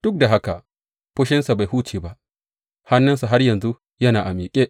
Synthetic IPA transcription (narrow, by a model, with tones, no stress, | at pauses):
d̥ʊ˦k̚da˨ɦa˦ka˨ | ɸʊ˦ʃɪ˦nsa˨ba˨jhuː˦t͡ʃeː˨ba˦ʔ | ha˦nːɪ˦nsu˨ɦa˦rjɐ˨nzu˦ | jɐ˦naː˨ʔa˨miː˨kʲʼeː˦ʔ